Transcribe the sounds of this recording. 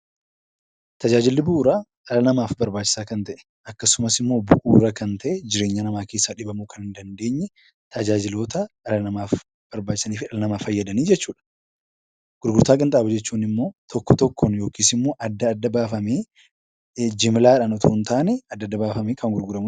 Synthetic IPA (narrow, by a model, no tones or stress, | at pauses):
t̪ɐd͡ʒaːd͡ʒɪlːɪbʊʔuːɾaːᶑɐlɐnɐmaːfbɐɾbaːt͡ʃːɪsaːkɐnt̪ɐʔɛ̥ | ɐkːɐsʊmɐsɪmːo̞ːbʊʔuːɾɐkɐnt̪ʰɐʔɛd͡ʒɪɾe̞ːɲːanɐmaːke̞ːsːaːᶑɪbɐmukɐnɪnd̪ɐnd̪e̞ːɲːɛ | t̪ʰɐd͡ʒaːd͡ʒɪlo̞ːt̪ɐʔɐlɐnɐmaːf | b̥ɐɾbaːt͡ʃːɪ̥sɐniːfɪᶑɐlɐnɐmafɐjːɐd̪ɐniːd͡ʒɛt͡ʃːuːᶑɐ̥ | ɡ̥ʊɾɡʊɾt̪aːkʼɐnt̪ʼaːbɐd͡ʒɛt͡ʃːuːnɪmːo̞ːt̪ʰɔkːɔt̪ɔkʰːɔnjo̞ːkiːsɪmːo̞ːʔɐd̪ːɐːd̪ːɐbaːfɐmeː | d͡ʒɪmlaːᶑɐnɔt̪ʰuːnt̪aːnɛɐd̪ːɐd̪ːɐbaːfɐmeːkɐŋɡʊɾɡʊɾɐmʊ